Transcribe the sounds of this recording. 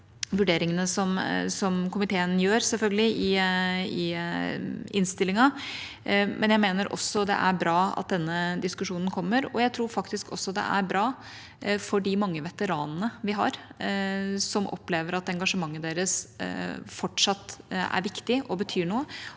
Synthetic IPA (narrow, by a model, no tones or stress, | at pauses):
ʋʉɖeːɾɪŋənəsɔmsɔmkʰʊmɪt̪ʰeːənjøːɾsɛlfœlɡəlɪʔɪɪ | ɪnst̪ɪlːɪŋɑ | mʔɛnjæɪmeːnəɾʔɔ̰sːɔd̪ɛ̰ʔæɾbɾɑːɑ̰t̪̚d̪ɛnːəd̪ɪskʉʂuːnən̩kʰɔmːəɾɔ̰jæɪt̪ʰɾuːɾfɑk̚t̪ɪskʰɔ̰sːɔd̪ɛ̰ʔæ̰ɾbɾɑː | fɔɖɪmɑŋːəʋɛt̪əɾɑːnənəʋɪɦɑ̰ɾ | sɔmʔɔ̰pleːʋəɾɑt̪̚ɛŋɡɑʂəmɑŋːəd̪eːɾəs | fɔʈʂɑt̪ːæ̰ɾʋɪkt̪ɪʔɔbət̪ʰyːɳuːə